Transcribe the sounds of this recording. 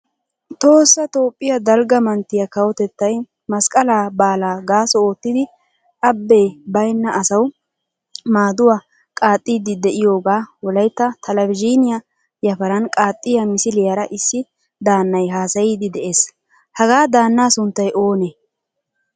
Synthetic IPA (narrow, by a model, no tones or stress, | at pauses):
t̪ʼo̞ːsːɐt̪o̞ːpʼːɪjɐd̪ɐlɡɐmɐnt̪ːɪjɐkɐwɔt̪ɛt̪ːɐj | mɐskʼɐlaːbaːlaːɡaːsɔoːt̪ːɪd̪ɪ | ʔɐbːe̞ːbɐjnːɐɐsɐw | maːd̪ʊwa | kʼaːt̪ʼːiːd̪ɪd̪ɛʔɪjo̞ːɡaːwɔlɐjt̪ːɐt̪ʰɐlɐbɪd͡ʒinɪjɐ | jɐfɐɾɐnkʼaːt̪ʼːɪjɐmɪsɪlɪjɐɾɐʔɪsːɪ | d̪aːnːɐjɦaːsɐjiːd̪ɪd̪ɛʔe̞ːs | hɐɡaːd̪aːnːaːsʊnt̪ːɐjʔoːnɛ